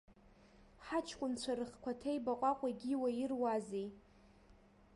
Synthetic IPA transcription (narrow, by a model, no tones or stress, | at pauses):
ħat͡ʃʰkʷʼʊnt͡ɕʷʰaɾɨχkʷʰatʰejbaqʷʼakʷʼaɡʲiwajɪrwazej